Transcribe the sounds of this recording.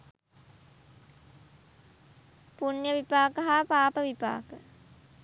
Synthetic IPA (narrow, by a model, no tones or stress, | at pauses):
punjəʋipaːkəɦaːpaːpəʋipa̰ːkə